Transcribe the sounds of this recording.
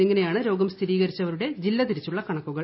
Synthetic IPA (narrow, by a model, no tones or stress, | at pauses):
eŋːɐne̞jaːɳɨɾo̞ːɡɐmst̪ʰiɾiːɣɐɾit͡ɕːɐʋɐɾuɽe̞d͡ʑilːɐt̪iɾit͡ɕːuɭːɐkɐɳɐkːuɣɐ